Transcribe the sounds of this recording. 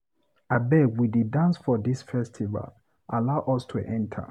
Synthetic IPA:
abɛwididãnsfɔdisfɛstʰiva̰l | ʔalaʊʔɔstʰuʔɛ̃ntʰə̰

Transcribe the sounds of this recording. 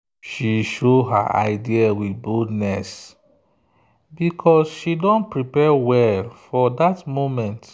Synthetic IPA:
ʃiʃoɦa̰ʔa̰ɪdiawit̚boldnɛs | bikʰɔsʃidɔ̃npɹipɛwɛlfɔdatmomɛ̃nt

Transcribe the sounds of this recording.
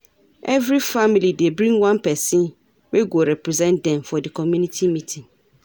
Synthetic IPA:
ʔɛvɾifamilidebɾĩŋwãnpʰɛsĩn | weɡoɾɛpʰɾɛzɛ̃ndɛ̃nfɔdɪkʰɔmjũnitʰimĩtʰĩŋ

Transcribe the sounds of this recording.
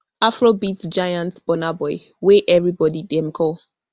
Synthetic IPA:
afɹobitd͡ʒajãntb̥ɔnabɔɪ | weʔɛvɹibɔdidɛ̃mkʰɔ

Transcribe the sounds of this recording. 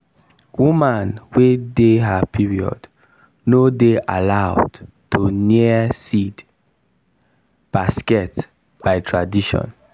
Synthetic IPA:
wumãnwedeɦapʰiɹiɔ̰d | nodeʔa̰laʊd | tʰoniəsid | b̥askɛt | b̥aɪtʰɹadiʃɔ̰̃n

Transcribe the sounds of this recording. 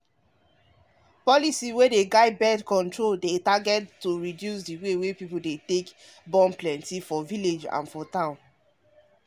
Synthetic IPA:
pɔlisiwedeɡaɪbɛdkɔ̃ntɹoldetaɡɛttoɹidjusdiwewepipoldetek | bɔ̃mplɛ̃ntifɔviled͡ʒã̰nfɔtãʊ̃n

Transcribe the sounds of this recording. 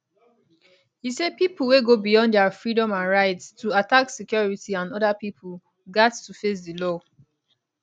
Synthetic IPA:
hised̚piplˠweɡobijɔ̃ndɛfɹidɔ̃mãnɹaɪtstuataksikjɔɹitiãnɔdapipʰəl | ɡattufes̬dilɔ

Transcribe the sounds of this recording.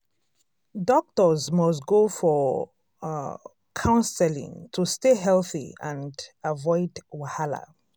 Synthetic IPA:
dɔk̚təzmɔsɡofɔ | kʰãʊ̃nsɛlḭ̃ŋtʰusteɦɛlθḭã̰ndavɔɪdwahala̰

